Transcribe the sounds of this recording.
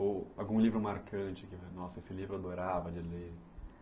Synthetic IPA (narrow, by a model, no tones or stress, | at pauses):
oawɡũlivɾʊmaɾkɐ̃t͡ʃɪkɪnɔsɐesɪlivɾʊad̪oɾavɐd͡ʒɪle